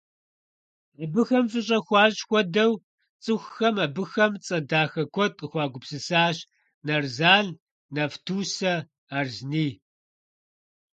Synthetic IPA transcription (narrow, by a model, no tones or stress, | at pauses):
abɨxɐmfɨɕ̬ʼɐxʷɑːɕʼxʷɔdɐw | t͡sʼɨxʷxɐmɐbɨxɐmt͡sʼɐdaːxɐkʷʰɔtʼəxʷɑːɡʷʊpsɨsaːɕ | nɐrzaːɮ | nɐftʰuːsɐ | arzniː